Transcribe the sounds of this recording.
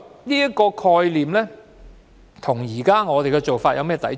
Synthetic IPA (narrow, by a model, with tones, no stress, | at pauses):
niː˥jɐ˥t̚kɔː˧kʰɔː˧jliː˨mlɛː˥ | t̪ʰʊ˨˩ŋjiː˨˩kaː˥ŋɔː˨˧t̪e˨jkɛ˧t͡so˨wfaː˧t̚jɐ˨˧wmɛː˥t̪ɐ˨˥j